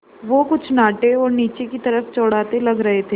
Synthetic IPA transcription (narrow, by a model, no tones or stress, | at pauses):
ʋokʊt͡ʃʰnaːʈeɔːɾniːt͡ʃekit̪ɐɾəft͡ʃɔːɽ̤aːt̪elɐɡɾɐɦet̪ʰeː